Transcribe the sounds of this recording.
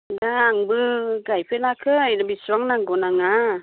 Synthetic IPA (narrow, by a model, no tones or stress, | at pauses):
daŋbɯɡajpʰelakʰɯjnabisuwaŋnaŋɡɔnaŋa